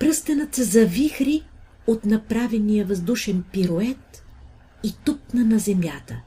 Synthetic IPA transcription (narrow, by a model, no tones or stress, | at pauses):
pɾɤst̪ɐnət̪səzɐvixɾi | ot̪nɐpɾavɛnijəvɐzd̪uʃɛnpiɾoɛt̪ | it̪up̚nənɐzɛmjat̪ə